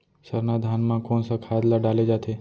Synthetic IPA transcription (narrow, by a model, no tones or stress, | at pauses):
səɾnad̪ʱanmãkoːnsakʰaːd̪laɖaled͡ʒat̪ʰe